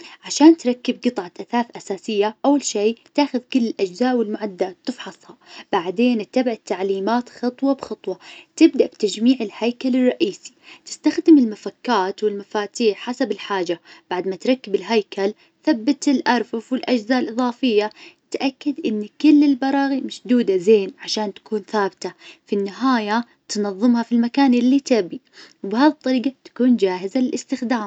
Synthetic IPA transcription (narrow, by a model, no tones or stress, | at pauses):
ʕaʃaːnt̪ɾˤɑkːɪb̚ɡɨt̪ˤʕɑʔaθaːθʔasaːsɪjːaʔawːalʃeːt̪aːxʊðkʊlːɪlʔad͡ʒzaːʔwɪlmʊʕad̪ːat̪ːɪfħɑsˤhɑb̥aʕd̪eːnɪt̪ːabʕat̪ːaʕliːmaːt̪xɑt̪ˤwɑbxɑt̪ˤwɑt̪ɪb̚d̪aʔbt̪ad͡ʒmiːʕɪlhajkalɪrˤːɑʔiːsi̥t̪ɪ̥st̪axd̪ɪmɪlmafakːaːt̪wɪlmafaːt̪iːħħasabɪlħaːd͡ʒab̥aʕd̪mat̪ɾˤɑkːɪbɪlɦajkal | θabːat̪ɪlʔɑɾˤfafwɪlʔad͡ʒzaːʔlʔɨðˤɑːfɪjːat̪ʔakːad̪ʔɪnːkɪlːɪlbɑɾˤɑːɣimaʃd̪uːd̪azeːnʕaʃaːnt̪ḁkuːnθaːbɪt̪afinːɪɦaːja | t̪nɑðˤːɨmhafilmakaːnʔɪlːit̪abi | wɪbɪhaːðit̪ˤːɑɾiːɡɑt̪ḁkuːnd͡ʒaːɦɪzalɪlʔɪst̪ɪxd̪aːm